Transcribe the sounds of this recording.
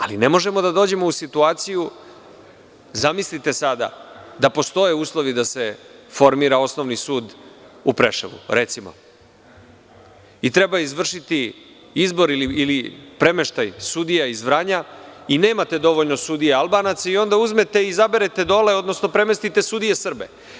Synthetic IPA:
a̰line̞mo̞ʒe̞mo̞d̪ad̪oːd͡ʑe̞mo̞usit̪uaːt̪siju | zamislit̪e̞sad̪a̰d̪apo̞st̪o̞je̞uːslˠo̞ʋid̪asefo̞ɾmiːɾao̞sno̞ʋnisuːd̪upɾḛʃḛʋṵɾet̪simo̰ | it̪ɾe̞baizʋr̩ʃit̪i | izbo̞ɾiliilipɾe̞me̞ʃt̪ajsud̪ijaizʋɾaːɲaine̞ːmat̪e̞d̪o̞ʋoʎnosud̪ijealˠbaːnat̪saio̞nd̪auzme̞t̪eizabeɾet̪e̞d̪o̞le̞o̞d̪no̞snopɾe̞me̞st̪it̪e̞sud̪ijesr̩bḛ

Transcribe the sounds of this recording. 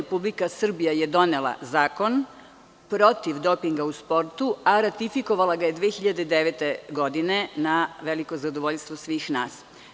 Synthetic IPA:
epublikasr̩bijajed̪o̞nelˠa̰zaːko̞n | pɾo̞t̪iʋd̪o̞piŋɡauspo̞ɾt̪uaɾat̪ifiko̞ʋalˠaɡaje̞d̪ʋeːxiʎad̪ed̪eʋet̪e̞ɡo̞d̪ine̞naʋe̞liko̞zad̪oʋoʎst̪ʋosʋiːxnaːs

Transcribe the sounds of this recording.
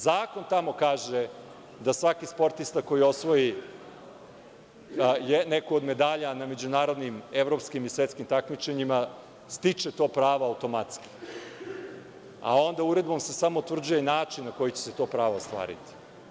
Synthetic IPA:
zaːko̞nt̪amo̞kaːʒe | d̪asʋakispo̞ɾt̪ist̪ako̞jio̞sʋo̞ji | jnekuod̪me̞d̪aʎaname̞d͡ʑunaːɾo̞d̪nime̞ʋɾo̞pskimisʋet̪skimt̪akmit͡ʃe̞ɲima | st̪it͡ʂe̞t̪o̞ːpɾaːʋoawt̪o̞mat̪ski̥ | a̰o̞nd̪auɾe̞d̪bo̞mse̞samo̞ut̪vr̩d͡ʑuje̞naːt͡ʃinnako̞jit͡ɕese̞t̪o̞ːpɾaːʋast̪ʋa̰ːɾḭt̪i̥

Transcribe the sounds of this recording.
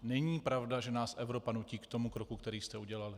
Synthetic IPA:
nɛɲiːpɾavdaʒɛnaːsʔɛvɾo̞panuciːkt̪o̞mukɾokukt̪ɛɾiːst̪ɛuɟɛlalɪ

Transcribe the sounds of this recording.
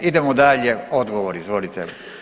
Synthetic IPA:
id̪emod̪aʎeod̪ɡoʋoɾizʋo̞lit̪ɛ

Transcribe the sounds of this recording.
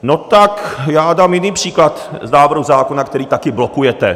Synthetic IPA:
not̪akjaːdaːmjɪniːpr̥iːklat̪znaːvr̩ɦuzaːko̞nakt̪ɛɾiːt̪akɪblokujɛt̪ɛ

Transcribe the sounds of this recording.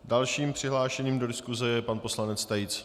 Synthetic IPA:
dalʃiːmpr̝̥ɪɦlaːʃɛɲiːmdo̞dɪskuzɛjɛpanpo̞slanɛt͡st̪ajɪt͡s

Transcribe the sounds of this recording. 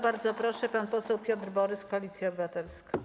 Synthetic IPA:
baɾd̪zɔpɾɔʂɛpanpɔsɛwpʲjɔt̪ɾbɔɾɘskɔalʲit̪sʲjiɔbɘvat̪ɛlska

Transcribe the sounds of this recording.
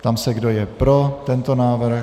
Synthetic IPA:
t̪amsɛɡdo̞jɛpɾo̞t̪ɛnt̪o̞naːvr̩

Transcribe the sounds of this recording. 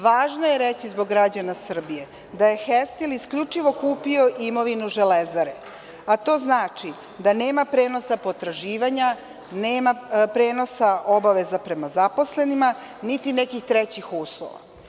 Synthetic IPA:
ʋaːʒnoje̞ɾet͡ɕizbo̞ɡːɾad͡ʑanasr̩bije̞ | d̪aje̞xest̪iliskʎut͡ʂiʋo̞kuːpio̞ʔimo̞ʋinuʒelezaɾe | at̪o̞ːznaːt͡ʂi | d̪ane̞ːmapɾeːno̞sapot̪ɾaʒiːʋaɲa | neːmapɾeːno̞sao̞baʋe̞zapɾe̞mazapo̞sle̞nima | nit̪inekixt̪ɾet͡ɕixuːslˠo̰ʋa̰

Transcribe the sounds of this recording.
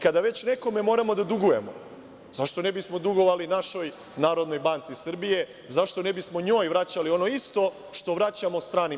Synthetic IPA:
kad̪aʋe̞t͡ɕneko̞me̞mo̞ːɾamo̞d̪ad̪uɡuje̞mo̞̰ | zaʃt̪o̞nebismo̞d̪uɡo̞ʋalinaʃo̞j | naːɾo̞d̪no̞jbant̪sisrbije̞ | zaʃt̪o̞nebismo̞ɲo̞ːjʋɾat͡ɕalio̞no̞ist̪o̞ | ʃt̪o̞ʋɾat͡ɕamost̪ɾaːni

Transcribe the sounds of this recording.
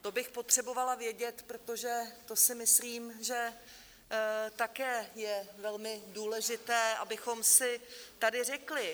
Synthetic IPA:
t̪o̞bɪxpo̞t̪r̝̥ɛbo̞valavjɛɟɛt̪pɾot̪o̞ʒɛt̪o̞sɪmɪsliːmʒɛ | t̪akɛːjɛvɛlmɪduːlɛʒɪt̪ɛːʔabɪxo̞msɪt̪adɪr̝ɛklɪ

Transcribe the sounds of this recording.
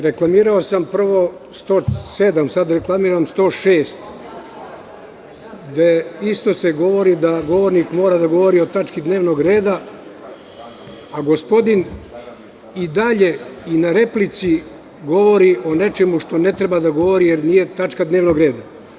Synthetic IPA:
ɾe̞klˠamiːɾaosampr̩ʋo̞ | st̪oːsed̪amsad̪ɾe̞klˠamiːɾamst̪o̞ːʃeːst̪ | d̪eist̪o̞se̞ɡo̞ʋo̞ɾid̪aɡo̞ʋo̞ɾnikmoːɾad̪aɡo̞ʋo̞ɾio̞t̪at͡ʃkid̪neːʋno̞ɡɾeːd̪a | aɡo̞spo̞d̪in | id̪aʎe̞inaɾe̞plit̪si | ɡo̞ʋo̞ɾiʔo̞ne̞t͡ʃemuʃt̪o̞ne̞t̪ɾebad̪aɡo̞ʋo̞ɾijeɾniːje̞t̪at͡ʃkad̪ne̞ːʋnoɡɾe̞ːd̪a

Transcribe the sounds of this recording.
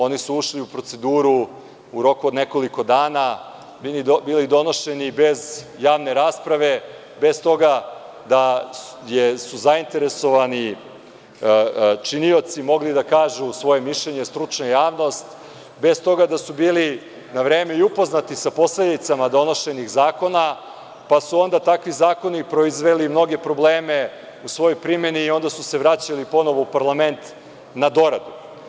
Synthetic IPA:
o̞nisuuʃliupɾo̞t̪se̞d̪uːɾu | uɾo̞kuod̪neko̞liko̞d̪aːna | biibiːlid̪o̞no̞ʃe̞nibe̞z | jaːʋne̞ɾaːspɾaʋe̞ | be̞st̪o̞ɡa | d̪a | jesuzaint̪e̞ɾe̞so̞ʋani | t͡ʃinio̞t̪simo̞ɡlid̪akaːʒusʋo̞je̞miʃʎeɲest̪ɾut͡ʂnajaːʋno̞st̪ | be̞st̪o̞ɡad̪asubiːli | naʋɾe̞ːme̞iupo̞znat̪isapo̞sled̪it̪samad̪o̞no̞ʃe̞nixzaːko̞na | pasuo̞nd̪at̪akʋizaːko̞nipɾo̞izʋe̞limno̞ɡe̞pɾo̞bleːme̞ | usʋo̞jojpɾime̞niːo̞nd̪asuse̞ʋɾat͡ɕalipo̞noʋoupaɾlˠame̞nt̪ | nad̪o̞ɾad̪u

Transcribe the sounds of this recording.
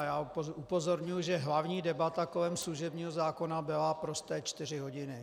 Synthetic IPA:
jaːupo̞zo̞ɾɲujuʒɛɦlavɲiːdɛbat̪akolɛmsluʒɛbɲiːɦozaːko̞nabɪlapɾo̞st̪ɛːt͡ʃt̪ɪrɪɦo̞ɟɪnɪ

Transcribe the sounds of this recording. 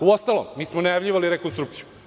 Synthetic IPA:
uost̪alomiːsmonajavʎʲiʋaliɾekonst̪ɾuk̚t̪siju

